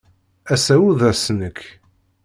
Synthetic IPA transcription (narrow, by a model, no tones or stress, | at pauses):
æsæwuðæsənəkː